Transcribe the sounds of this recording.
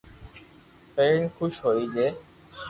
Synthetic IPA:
penkʰuʃɦojd͡ʑe

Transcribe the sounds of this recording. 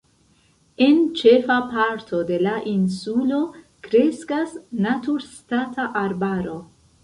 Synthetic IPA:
e̞nt͡ʃe̞fapaɾtʰo̞de̞laʔinsulo̞ | kɾe̞skasnatuɾstatʰaʔaɾbaɾo̞

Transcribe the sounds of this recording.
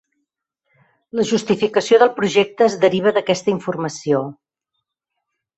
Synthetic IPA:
ləʒust̪ifikəsioðəlˠpɾuʒek̚t̪əːzðəɾiβ̞əðəkɛst̪əiɱfurməsio

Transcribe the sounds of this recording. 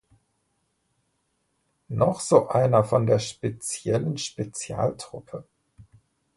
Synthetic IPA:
nɔχz̥oːʔaɪnɐfɔndeːɐʃpet͡sjɛlənʃpet͡sja̰ːltʁ̥ʊpʰə

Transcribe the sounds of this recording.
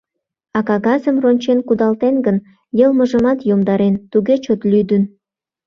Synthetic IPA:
ɑkɑɣɑzəmronʲt͡ɕenkud̪ɑlt̪enɡən | jəlməʒəmɑt̪jomd̪ɑɾent̪uɣet͡ɕot̪lʲyd̪ən

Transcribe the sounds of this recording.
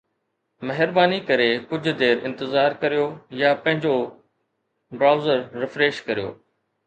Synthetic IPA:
mɐɦɪɾbaːnikɐɾekʊd͡ʑʱʊ̆d̪eːɾɪ̃nt̪ɪzaːɾkɐɾijojapɐ̃ɦɪ̃ɲd͡ʑo | bɾaːʊzəɾːɪfɾeːʃkɐɾijo̰ː

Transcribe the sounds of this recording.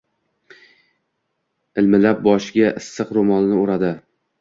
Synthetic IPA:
ɪlmɪlap̚bɒʃɪɡʲaʔɪsːɨqɾomɒlnɪʊɾad̪ɪ

